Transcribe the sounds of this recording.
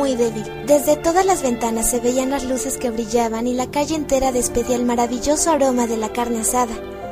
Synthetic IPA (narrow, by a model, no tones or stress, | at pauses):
ujðe̞βild̪e̞zðe̞t̪o̞ðazlazβe̞nt̪anasːe̞βe̞ianlazluse̞ske̞βɾiʝaβanilakaʝe̞ːnt̪e̞ɾaðe̞spe̞ðiaelmaɾaβiʝo̞so̞aɾo̞maðe̞lakaɾneasaða